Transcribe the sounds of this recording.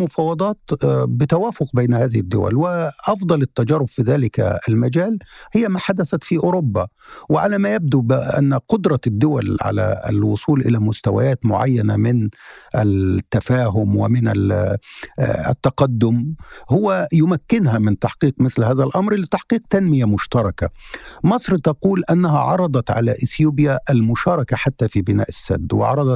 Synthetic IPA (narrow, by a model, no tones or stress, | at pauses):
mʊfɑːwɑd̪ˤɑːt̪bɪt̪awaːfʊqbejnhaːðɪhɪd̪ːʊ̰wæ̰lwɪʔɑfd̪ˤɑlɪt̪ːæd͡ʒɑɾˤːʊbfiðaːlɪkɪlmad͡ʒæːlhɪjːæmaːħad̪æθæt̪fiːʔʊɾobːa | wɪʕalæːmæjab̚d̪ubɪʔa̰nːqʊd̪ɾˤɑd̪ːʊwæ̰lʕa̰læ̰ɪ̰lwʊsˤuːlʔɪlæmʊst̪awa̰jaːt̪mʊʕa̰jːænamɪnʔɪt̪ːæfaːɦʊmwɪmɪnæ | t̪ːɑqɑd̪ːʊmhʊwæjʊmækːɪnɦæmɪnt̪aħqiːqmɪθlhaːðælʔɑmɾlɪt̪aħqiːqt̪anmɪjamʊʃt̪ɑɾˤɑkamɑsˤɾt̪ɑquːlʔanːaɦaʕɑɾˤɑd̪ˤɑt̪ʕa̰læʔɪθjuːbɪjaʔælmʊʃɑːɾˤɑkaħat̪ːæfiːbɪna̰ːʔɪsːa̰d̪ːwɪ̰ʕɑ̰ɾˤɑd̪ˤɑ